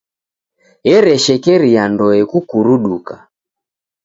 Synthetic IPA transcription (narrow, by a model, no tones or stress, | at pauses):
jɛɾɛʃɛkɛɾiandɔɛkukuɾuɗuka